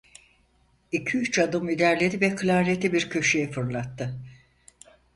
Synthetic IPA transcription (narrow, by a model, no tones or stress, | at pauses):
icʰiyyt͡ʃad̪ɯmid̪æɾlʲed̪ivɛkʰɯlʲaːɾet̪ʰibiɾcʰøʃyjɛfɯɾlˠat̪ːɯ